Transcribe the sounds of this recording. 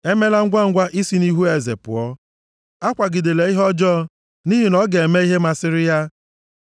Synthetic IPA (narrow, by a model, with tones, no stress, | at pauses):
e˦me˦la˦ŋ̩˦ɡʷa˦ŋ̩˦ɡʷa˦ʔi˦si˦ni˦ɦu˦e˨zḛ˨pʊ̰˨ɔ˦ | a˦kʷa˨ɡɪ˨de˨le˨i˦ɦɔ˦d͡ʒɔ˦ | ni˦ɦi˨nɔ˦ɡe˨e˨me˦i˦ɦe˦ma˦sɪ˦ɾɪ˦ja˦